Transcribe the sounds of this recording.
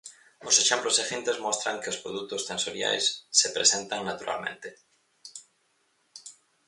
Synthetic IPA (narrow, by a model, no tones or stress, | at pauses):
ʊseʃemploseʃẽnt̪ezmost̪ɾaŋkeospɾoðut̪ost̪ẽnsoɾja̰jsːepɾesẽnt̪aŋnat̪uɾʔa̰lmẽnt̪e